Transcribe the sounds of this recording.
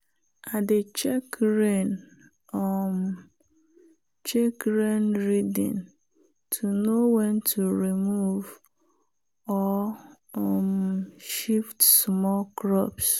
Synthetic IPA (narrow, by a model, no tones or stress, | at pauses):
adet͡ʃɛkɾen | ɔm | t͡ʃekɾenɾidḭ̃n | tʰunowɛntʰuɾimuv | ɔ | mʃiftsmɔlkɾɔps